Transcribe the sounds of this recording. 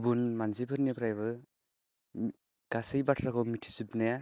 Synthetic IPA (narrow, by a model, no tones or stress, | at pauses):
bunmanzibɯɾnepʰɾajβɯ | ɡ̥asɯjbatʰɾakʰɔmitʰi̥zubnaja